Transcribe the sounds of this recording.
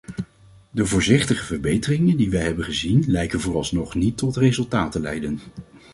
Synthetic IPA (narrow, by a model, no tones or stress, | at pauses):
dəvʊːɹzɪχtəχəvəɹbejtərɪŋəndiʋɛjɦɛbənχəzinlɛjkənvʊːrɑlˠsnɔχnitːɔtrezɵlˠtaːtəlɛ̰jdən